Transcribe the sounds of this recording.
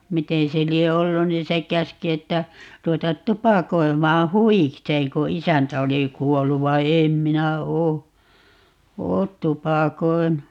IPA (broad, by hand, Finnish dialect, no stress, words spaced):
miteː se lie olːu niːn̞ se kæski etːæ ruwetɑt tupɑkoi̯mɑː huwikseːŋ ko isæntæ oli kuolːu ʋɑi̯ eːm minæ oː oːt tupɑkoi̯nu